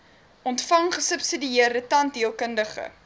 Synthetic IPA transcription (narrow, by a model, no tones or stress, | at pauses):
ʔɔntfɐŋχəsəpsədiiərdətɐntdiəlˠkəndəχə̰